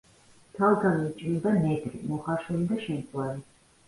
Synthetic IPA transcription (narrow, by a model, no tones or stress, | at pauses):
t̪ʰalˠɡamit͡ʃʼnid̪anɛd̪ɾḭmɔχaɾʃulid̪aʃɛnkʼwaɾi